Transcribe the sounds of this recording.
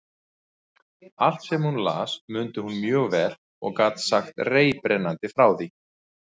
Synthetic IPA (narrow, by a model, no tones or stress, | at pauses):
al̥t̪sɛmhunla̰ːsmʏnt̪ɪhunmjœːɣvɛɾ | ɔ̰ɣkaːt̪saxt̪reːjpɾɛnant̪ɪfɾaːwði